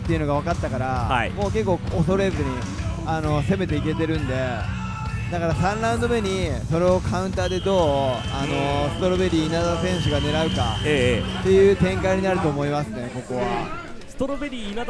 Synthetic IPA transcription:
t̪ːe̞iɯ̟no̞ɡaβ̞akat̪ːakaɾaa̰ḭmo̞ːke̞kːo̞ːoso̞ɾe̞zɨɲ̟i | ano̞se̞me̞t̪e̞ike̞t̪e̞ɾɯ̟̃nd̪e̞ | d̪akaɾasãnɾãɯ̃nd̪o̞me̞ɲ̟iso̞ɾe̞o̞kaɯ̟̃nt̪aːd̪e̞d̪o̞ː | ano̞sɨ̥t̪o̞ɾobe̞ɾʲiːnad̪asẽ̞ɰ̃ɕ̬ɨɡane̞ɾaɯ̟kaet̪ːe̞jɯ̟ːt̪ẽ̞ŋkaiɲ̟inaɾɯ̟t̪o̞ːmo̞imasɨne̞ko̞ko̞βa̰sɨ̥t̪oɾobeɾʲiːna

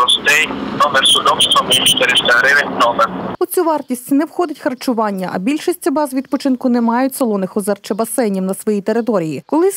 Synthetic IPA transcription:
ɔst̪ɪjnɔmɛrsʊd̪ɔwst̪ɔmɪʃt̪ɪɾɪʃt̪ɛɾɪɾɪnɔmɛrʊt͡sʲuʋɑrtʲisʲtʲnɛwxɔd̪ɪtʲxɐrt͡ʃʊʋɑnʲːɐʔɐ̰bʲilʲʃisʲt͡sʲɐbɑzʋʲid̪pɔt͡ʃɪnkʊnɛmɑjʊtʲsɐlˠɔnɪxɔzɛrt͡ʃɛbɐsɛnʲiwnɐsʋɔjit̪eɾɪt̪ɔɾʲijikɔlˠɪ

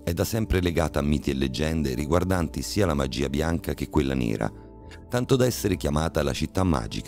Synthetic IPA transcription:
ɛd̪ːasɛmpɾeleɡaːt̪aːmːiːt̪ielːed͡ʒːɛnd̪eɾiɡward̪ant̪isiːalamad͡ʒḭːabjaŋkak̟ekːwelːa̰nḛːɾa̰ | t̪ant̪od̪aɛsːeɾekjamaːt̪ala̰t͡ʃit̪ːamːa̰ːd͡ʒika

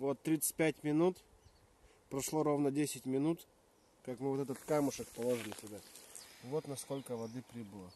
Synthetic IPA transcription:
vo̞t̪ːɾʲit̪sɨ̥t̚ʲpʲætʲmʲɪnut̪ | pɾɐʂlˠo̞ɾo̞vnədʲesʲɪtʲmʲɪnut̪ | kakmɨvoɛt̪ət̪kamʊʂəkpɐlˠoʐɨlʲɪsʲʊd̪avo̞t̪nɐsko̞lʲkəvɐd̪ɨpɾʲibɨlˠə

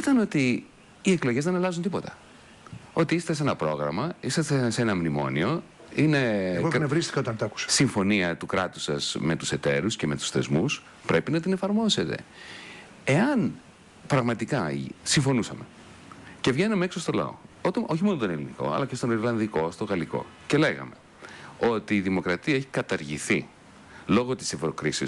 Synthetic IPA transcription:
iθɐno̞t̪iː | eklo̞ʝe̞zðe̞nɐlɐzunt̪ipo̞t̪ɐ̥ | o̞t̪iisɐ̥t̪ese̞nɐpɾo̞̰ɣɾɐ̰mɐisessenɐmnimo̞̰nio̞ | ine̞ɣonevɾist̪i̥kɐot̪ɐnt̪ɐku̥sɐ̥siɱfo̞niɐt̪ukɾɐt̪u̥sɐ̰z̥me̞t̪u̥se̞t̪e̞ɾusceme̞t̪u̥sθe̞zmus | pɾe̞pinɐt̪ine̞fɐɾmo̞se̞t̪e̞̰ | eɐn | pɾɐɣmɐt̪ikɐsiɱfo̞nusɐme̞ | ce̞vʝe̞nɐmeeksost̪o̞lɐ̰o̞̰ot̪oçimo̞nont̪oneliniko̞̰ɐ̰lɐcest̪o̞niɾlɐnðiko̞st̪o̞ɣɐliko̞̰ce̞le̞ɣɐ̰me̞ | o̞t̪iːðimo̞kɾɐt̪iɐeçi̥kɐt̪ɐɾʝiθi | lo̞ɣo̞t̪i̥sevɾo̞kɾisḭ

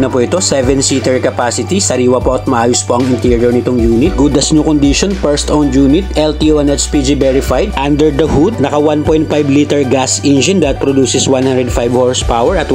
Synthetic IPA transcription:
nɐpoʔɪt̪o̞sɛvɛnsit̪ɛɹkɐpaːsɪt̪isɐɾiːwɐpoɐt̪̚mɐʔaːjospoʔɐŋɪnt̪iɹjɔɹnɪt̪oŋjuːnɪt̪̚ɡud̪ɐsɲokond̪iʃɔnpɛɹst̪ʔownjuːnɪt̪ʔɛlt̪iʔoʔɛnɛt͡ʃpid͡ʒibɛɹɪfajd̪ʔand̪ɛɹd̪ɐhud̪̚nɐkɐwan̚pojnt̪̚fajblit̪ɛɹɡasʔɛnd͡ʒɪnd̪ɐt̪̚pɾɔd̪uːsɛswanhãnd̪ɾɛd̪fajbhoɹspawɛɹʔɐt̪

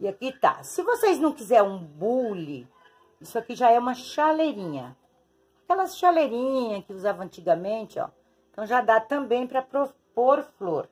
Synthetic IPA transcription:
ɪakit̪a̰sɪvosejznɐ̃w̃kizɛɾũbulɪ | isʊakiʒaɛũmɐʃaleɾĩɲɐ | akɛlɐsʃaleɾĩɲɲɐkɪuzavɐɐ̃nt͡ʃiɡɐmẽnt͡ʃɪɔ̰̃ | t̪ɐ̃w̃ʒad̪at̪ɐ̃mbẽj̃pɾɐpɾopoɾfloɾ

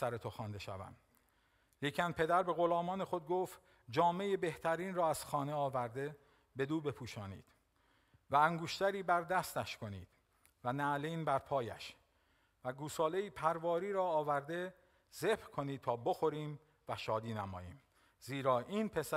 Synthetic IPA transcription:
sæɾet̪ʰoxɒːnd̪e̞ʃævæ̰m | liːcʰænpʰe̞d̪æɾbe̞ɣo̞lɒːmɒːnexo̞d̪̚ɡoːft̪ | d͡ʒɒːme̞jebe̞ht̪ʰæɾiːnrɒːæz̥xɒːne̞ɒːvæɾd̪e̞ | be̞d̪uːbe̞pʰuːʃɒːnḭːd̪̥ | vææŋɡoʃt̪æɾiːbæɾd̪æst̪æʃko̞nḭːd̪̥ | vænæliːnbæɾpʰɒːjæ̰ʃ | væɡuːsɒːle̞iːpʰæɾvɒːɾiːɾɒːvæɾd̪e̞ | zebkʰo̞niːd̪̚t̪ʰɒːboxo̞ɾiːm | væʃɒːd̪iːnæmɒ̰ːjiːm | ziːɾɒːʔiːnpʰe̞sæ

